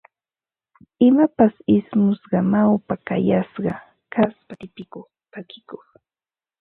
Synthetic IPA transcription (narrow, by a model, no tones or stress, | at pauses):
ɪmapasɪsmʊsɢɑmawpaka̰jasɢɑ | kaspat̪ɪpɪkoχt̪akɪkoχ